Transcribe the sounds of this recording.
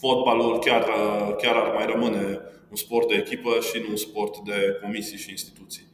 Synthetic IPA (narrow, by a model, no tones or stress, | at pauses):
fo̞t̪̚balulkʲarəkʲaɾarmajrəmɨne̞ | unspo̞rt̪̚d̪e̞ːkʲipəʃinuːnspo̞rt̪d̪e̞ko̞misijʃiːnst̪i̥t̪ut̪sij